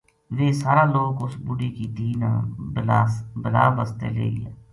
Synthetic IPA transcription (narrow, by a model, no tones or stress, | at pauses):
ʋeːsaːɾãːloːkʊsbʊɖiːkiːd̪ʱiːnã̰ːlːbəla̰ːbəst̪ḛːlḛːɡ̰aː